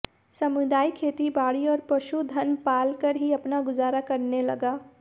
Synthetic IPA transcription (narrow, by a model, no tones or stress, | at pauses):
sɐmʊd̪aːikʰeːt̪ibaːɽiɔːɾpɐʃud̪ʱɐnpaːlkəɾɦiɐpnaɡʊzaːɾakɐɾnelɐɡaː